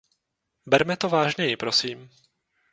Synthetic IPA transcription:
bɛɾmɛt̪ovaːʒɲɛjɪpɾo̞siːm

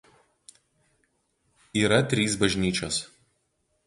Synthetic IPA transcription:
iːɾɐt̪ʲɾʲiːs̬bɐʒʲnʲiːt͡ʃʲoːs

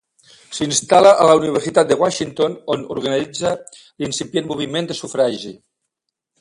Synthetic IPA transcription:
sinst̪aləʔalauniβ̞əɾsit̪at̪̚d̪əɣwaʃint̪ononṵɾɣanid͡zə | linsipjenmuβ̞imend̪əsufɾaʒi

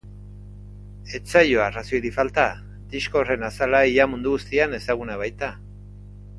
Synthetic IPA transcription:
e̞t͡sajoarasioɾifalt̪a | d̪̥iʃko̞re̞nasalaijamund̪uɣust̪iane̞saɣunaβajt̪a

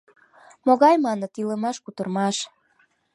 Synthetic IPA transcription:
moɣɑjmɑnət̪iləmɑʃkut̪ərmɑʃ

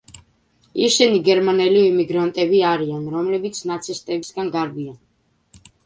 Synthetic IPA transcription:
iɾʃɛniɡɛɾmanɛliimiɡɾant̪ʼɛbiaɾianɾɔmlɛbit̪sʰnat̪sʰist̪ʼɛbisɡanɡaɾbian

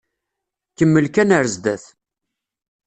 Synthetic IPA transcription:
kəmːəlkænəɾəzd̪æθ

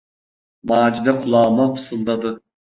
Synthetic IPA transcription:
maːd͡ʒid̪ɛkʰulˠɑːmapʰɯ̥sɯlˠd̪ad̪ɯ

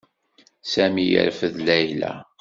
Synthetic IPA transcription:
sæmijə̰ɾfəðlæjlæ̰

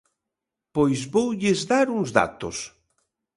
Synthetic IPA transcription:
pojzβowʎɪzðaɾuŋzða̰t̪o̰s

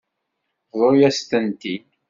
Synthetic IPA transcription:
ðˤoɾjæst̪ənt̪i

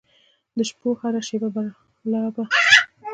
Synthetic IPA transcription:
d̪əʃpohaɾaʃebaba | lɑba

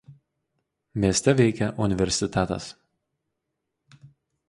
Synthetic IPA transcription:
mʲiɛsʲt̪ʲɛʋʲɛɪkʲɛʔʊnʲɪʋʲɛɾʲsʲɪt̪ʲæt̪ɐ̰s

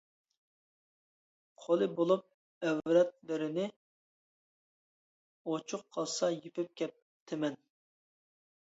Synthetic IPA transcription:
qʰolˠɨbolˠup̚ | ɛwɾɛt̪̚lɪɾɪnɪ | ot͡ʃʰʊqʰːɑlˠsɑjipɪp̚kʲɛp̚ | t̪ʰɪmɛn

